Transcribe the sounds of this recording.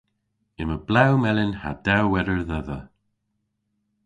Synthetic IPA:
ɪməblawmɛlɪnha̰d̪awɛɾəɹðɛðə

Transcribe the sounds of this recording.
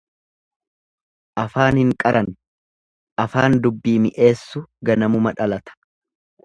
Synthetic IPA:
ʔɐfaːnhɪŋkʼɐɾɐn | ʔɐfaːnd̪ʊbːiːmɪʔe̞ːsːʊɡɐnɐmʊmɐᶑɐlɐt̪ɐ̥

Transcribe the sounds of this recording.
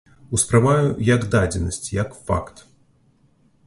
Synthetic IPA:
uspɾavajujɐɡd̪ad͡zʲɛnɐsʲt͡sʲjɐkfa̰kt̪

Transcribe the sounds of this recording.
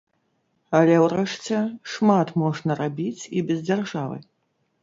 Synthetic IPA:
alʲɛwɾɛʂt͡sʲɛʂmat̪mɔʐnɐrabʲit͡sʲibʲɛzd͡zʲarʐavɨ̰

